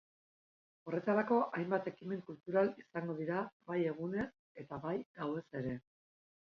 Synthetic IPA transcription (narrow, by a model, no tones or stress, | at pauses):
o̞re̞t̪aɾako̞ʔajmbat̪e̞kime̞ŋkult̪uɾalisaŋɡo̞ð̞iɾabaje̞ɣ̞une̞s | e̞t̪aβajdawe̞se̞ɾe̞